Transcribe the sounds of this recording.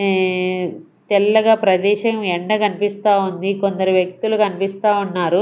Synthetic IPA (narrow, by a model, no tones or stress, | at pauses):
t̪ɛlːɐɡaːpɾɐd̪ɛːʃɐmɛɳɖɐkɐnipist̪aːund̪ikond̪ɐɾuʋjɐk̚t̪ulukɐnipist̪aːunːaːɾu